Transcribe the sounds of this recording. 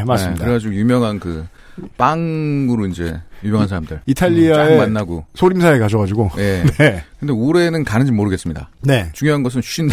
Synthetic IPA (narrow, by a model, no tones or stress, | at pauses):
masɯɾeɡad͡ʑiɡojumjʌŋɦankɯ | paŋɯɾoind͡ʑe̞̰jumjʌŋɦansʰaɾamdɯ̰ɭitʰaʎːiaaemanːaɡosʰoɾimsʰaekad͡ʑʌɣad͡ʑiɡoje̞nekɯnde̞uɾe̞nɯnkanɯnd͡ʑimoɾɯɡe̞ts͈ɯmɲida̰net͡ɕuŋjoɦanɡʌs̬ʰɯnɕʰuind